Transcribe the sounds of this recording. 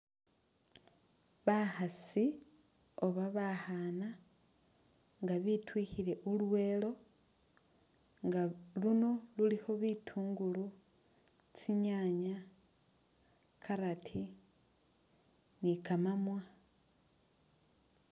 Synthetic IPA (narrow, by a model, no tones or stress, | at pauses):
βaxasi | oβaβahana | ŋɡaβitwiːxile̞ʔulwe̞ːlo̞ | ŋɡaluno̞lulixo̞βitʰuːŋɡulu | t͡siɲaɲa | kʰaɾatʰi | nikamamwa